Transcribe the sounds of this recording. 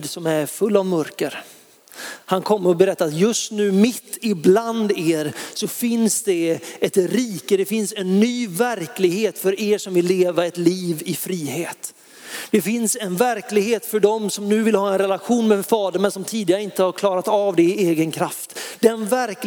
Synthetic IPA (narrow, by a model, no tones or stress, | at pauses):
d̪sɔmæɾfɵlːavmœɾkəɾ | hankʰɔmːəɾɔbɛɾɛt̪ːaɾat̪jɵst̪nʉ̟ːmɪt̪ːɪbland̪eːɾsɔfɪnsd̪ɛɛt̪ɾiːkəd̪ɛfɪnsɛnːyːvæɾklɪɡheːt̪fœɾeːʂɔmvɪlːeːvaɛt̪liːvɪfɾiːheːt̪ | d̪̥ɛfɪnsɛnvæɾklɪɡɦeːt̪fœɖɔmsɔmnʉ̟ːvɪlhɑːɛnɾɛlaɧuːnmɛfɑːd̪əɳmɛnsɔmt̪ʰiːd̪ɪɡaɾəɪnt̪əhaɾkʰlɑːɾat̪avd̪ɛɪeːɡənkʰɾaft̪d̪ɛnvæɾk